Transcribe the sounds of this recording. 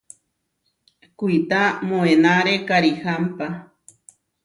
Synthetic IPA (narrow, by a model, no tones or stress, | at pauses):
kuit̪amoenaɾekaɾihampa